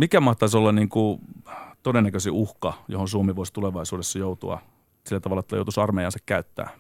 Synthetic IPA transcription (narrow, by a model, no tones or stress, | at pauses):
mikæmɑht̪ɑisolːɑnniːŋku | t̪odenːækøsiʔuhkɑjo̰honsuomiʋuost̪uleʋɑisuːdesːɑjout̪uɑ̰ | silːæt̪ɑʋɑlɑet̪ːæ̰jo̰t̪usɑrmeijɑnsɑkkæyt̪ːæ̰ː